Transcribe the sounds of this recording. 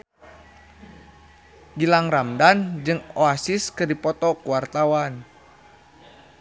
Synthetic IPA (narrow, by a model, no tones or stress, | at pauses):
ɡilaŋramdand͡ʒɨŋoasɪskɨrdipɔt̪ɔkuwart̪awan